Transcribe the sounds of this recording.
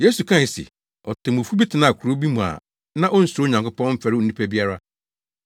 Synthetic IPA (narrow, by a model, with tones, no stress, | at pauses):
je˦su˨kʰã˦˨sḛ˨ | ɔ˨tʰɪ̃˨mũ˨fu˦bi˦tʰɪ˨nã˦˨kʰu˨ɾo˦bi˦mũ˨a̰˨ | nã˦ʔɔ˦n̩˦sʊ˨ɾo˦˨ɲã˨ŋkʰʊ˦pɔ̃˦m̩˦fæ˨ɾɪ˦˨nĩ˦pʰæ˦bi˦a˦ɾa˦